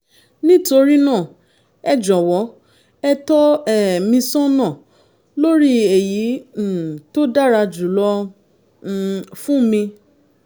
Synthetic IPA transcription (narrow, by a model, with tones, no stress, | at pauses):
nĩ˦to˧ɾi˦nã˦˨ | ɛ˦d͡ʒɔ˨wɔ˨˦ | ɛ˧tɔ˦ɛ˦˨mĩ˧sɔ̃˦nã˦˨ | lo˦ɾi˦e˨ji˨˦˨ | to˦da˦˨ɾa˧d͡ʒu˨lɔ˦ | fũ˦mĩ˧